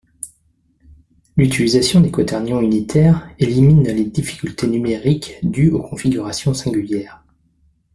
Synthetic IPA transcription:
lyt̪ilizasjɔ̃d̪ekɔt̪ɛʁnjɔ̃ynit̪ʰɛːʁeliminled̪ifi̥kʲylt̪enymeʁikd̪yokʰɔ̃fiɡʲyʁasjɔ̃sɛ̃ɡʲyljɛːʁ

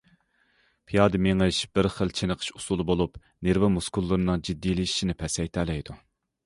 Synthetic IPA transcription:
pʰijɑːd̪ɨmeŋɨʃb̥ɪɾχəlˠt͡ʃʰenəqʰə̥ʃu̥sulˠɨbolˠup | neɾvɛmuskulˠːɨɾɨnɨŋd͡ʒid̪ːijlii̥ʃinɪpʰɛsɛjt̪ʰɛːlɛjd̪u

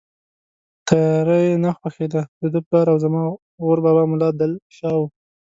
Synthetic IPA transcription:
t̪aɾəjenaxwaxed̪ad̪əd̪əplɑɾawzamɑ | ɣoɾbɑbɑmʊlɑd̪alʃɑwu

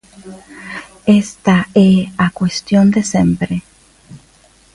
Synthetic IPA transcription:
est̪aeakwest̪jond̪esempɾe

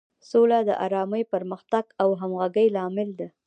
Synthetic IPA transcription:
solad̪əʔa̰ɾɑməjpəɾməxt̪aɡawɦamɣaɡəjlɑmɪld̪a

